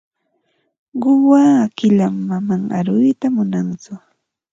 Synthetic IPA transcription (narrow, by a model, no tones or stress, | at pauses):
ɢʊwaːkɪʎamːamaŋa̰ɾʊjt̪amʊnant͡sʊ